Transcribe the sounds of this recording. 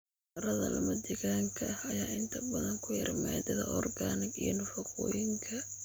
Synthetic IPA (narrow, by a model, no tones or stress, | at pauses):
ɐrɐðɐ̰lɐ̰mɐd̪ɛɣaːŋkʰɐɐhɐjaːʔɪnt̪ʰɐbɐðɐŋkʰʊjɪ̰rmad̪ɐðɐ̰ʔɔrɡaːnɪɡijɐnʊfɐqɔːjɪŋkʰɐ